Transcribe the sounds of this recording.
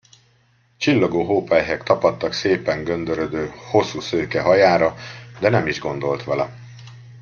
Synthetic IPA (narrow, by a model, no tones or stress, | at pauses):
t͡ʃilːɒɡoːɦoːpɛjɦɛkt̪ɒpɒt̪ːɒkseːpɛŋɡø̞nd̪øɾød̪øːho̞sːuːsøːkɛɦɒjaːɾɒd̪ɛnɛmiʒɡo̞nd̪o̞lt̪ʋɛlɛ̰